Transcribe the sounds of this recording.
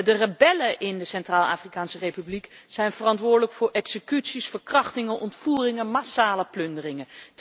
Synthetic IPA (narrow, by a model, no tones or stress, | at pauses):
dərəbɛləʔɪndəsɛntraːlˠa̰ːfrikaːnsərejpyblikz̥ɛjnvərɑntʋʊːɹdələkfʊːɹʔɛksəkytsisfəɹkrɑχtɪŋənʔɔntfuːrɪŋəmasaːləplɵndərɪŋənt